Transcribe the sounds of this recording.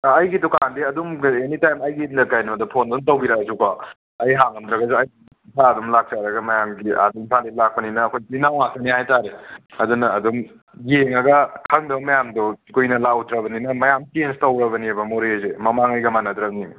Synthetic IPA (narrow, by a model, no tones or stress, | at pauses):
jɡitukaandiɐdumenitajmɐjɡinɐɾkajnɐmɐdɐpʰondontɐwbiɾɐɡɐzukɔ | ɐjɦaŋɐmdɾɐɡɐzuɐj | isʰaɐdumlak̚saɾɐɡɐmɐjamɡiʔa̰duimpʰalilak̚pɐninɐːkʰojkijnawŋak̚tɐnihajtaɾeɐdunɐːdum | jeŋɐɡɐkʰɐŋdɐbmɐjamdosikojnɐlawdɾɐβɐninɐmɐjamtenstɐwɾɐβɐniabɐmoɾiejzemɐmaŋɐjɡɐmanɐdɾɐɡni